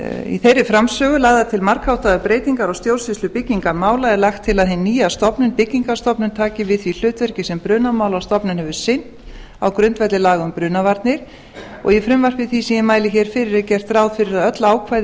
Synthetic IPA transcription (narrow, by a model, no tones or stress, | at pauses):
ḭθejrːɪfɾamsœːɣʏlaːɣðat̪ʰɪlmaɾ̥khawht̪aðʏpɾeːjt̪iŋkaɾawst̪jowlsɪslʏpɪcːiŋkaɾmaːwlaðɛlaxt̪ʰːɪlaðɦɪnːiːjast̪ɔpnʏnpɪcːiŋkast̪ɔpnʏnt̪ʰaːcɪvɪðθvil̥ʏːt̪vœɾ̥cɪsɛmpɾʏːnamaːwlawst̪ɔpnʏnhɛvʏsɪn̥t̪ | awkɾʏnt̪vɛt̪lɪlaːɣʏmpɾʏːnavaɾt̪nɪɾ̥ | ɔ̰ɣjɛfɾʏmvar̥pvɪðθisiːjɪmaːjlɪçɛɾ̥fɪɾɪɾɛcɛr̥t̪rawðfɪɾɪɾaðœt̪laaːwkʰvajð